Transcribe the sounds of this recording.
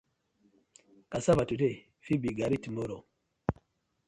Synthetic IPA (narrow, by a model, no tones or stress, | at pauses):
kasabatute | fibiɡaɾitimoɾo